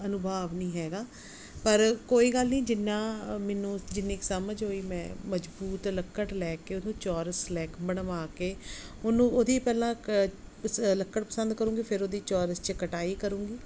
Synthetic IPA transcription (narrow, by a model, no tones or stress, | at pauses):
ənʊbʱaːʋnĩːɦɛːɡaː | pəɾkoːiːɡəlnĩːd͡ʒɪnːãːmɛːnũːd͡ʒɪnːeːkːsəməd͡ʒɦoːiːmɛ̰̃ːməd͡ʒbuːt̪ləkːəʈlɛːkeːʊnũːt͡ʃɔːɾəslɛːkbəɽʋaːkeːʊnũːoːd̪iːpɛːlãː | ləkːəʈpəsə̃nd̪̚kəɾũːŋɡiːpʰɪɾod̪iːt͡ʃɔːɾəst͡ʃəkəʈaːiːkəɾũːŋɡiː